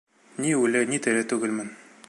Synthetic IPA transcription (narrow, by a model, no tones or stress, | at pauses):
niʉlɘnit̪ɘ̆ɾɘt̪ʉɡɘlmɘn